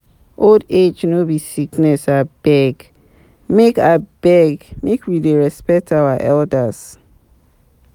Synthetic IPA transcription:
ʔolded͡ʒnobisiknɛsab̥ɛɡ | mekab̥ɛɡmekʰwideɹɛspɛk̚tʰawaʔɛldas

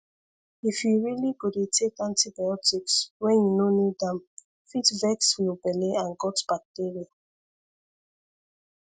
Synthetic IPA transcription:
ifjuɹiliɡodetʰekãntibajɔtikswɛ̃njunonidãm | fitvɛksfibɛleãnɡɔtb̥ak̚tiɹia

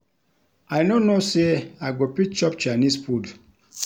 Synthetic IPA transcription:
ajnonoseaɡopit͡ʃɔpt͡ʃanispud

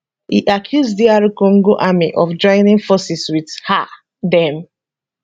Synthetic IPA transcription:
hḭʔakʰjusdiaɹikõŋɡoʔamḭʔɔfd͡ʒɔ̃ɪnĩnfɔsiswidha | dɛ̃m

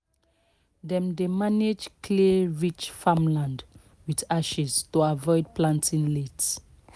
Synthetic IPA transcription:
dɛ̃mdemaned͡ʒkʰliɹit͡ʃfãmlãnd | widaʃiz̥tuavɔɪd̚plãntʰĩnlets

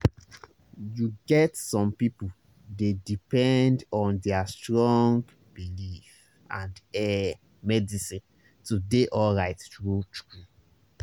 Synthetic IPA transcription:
juɡɛtsɔ̃mpipu | dedipɛ̃ndɔ̃ndɛastɹɔ̃ŋɡ | bilif | ãndɛ | mɛdisĩn | tudeʔɔlɹaɪttɹutɾu

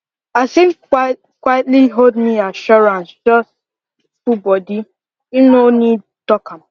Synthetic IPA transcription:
asĩn | kwatliɦodmiaʃɔɾãnsd͡ʒɔst | fubɔdi | inonid | tɔkam̩

